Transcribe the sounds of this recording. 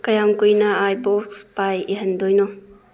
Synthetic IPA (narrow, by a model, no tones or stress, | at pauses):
kɐjamkujnaajbɔkspajiɦɐndojno